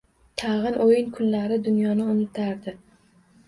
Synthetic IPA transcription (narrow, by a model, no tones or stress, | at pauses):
t̪ʰɑʁɨnʔojɪnkʰʊnlaɾɪd̪ʊnjɒnɪʊnɪt̪ʰaɾd̪ɪ